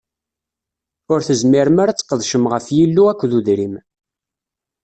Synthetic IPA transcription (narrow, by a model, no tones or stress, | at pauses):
ʊɾθəzmiɾəmaɾat͡sːə̥qːəðˤʃəmʁəfjilːuækʷːðuðɾim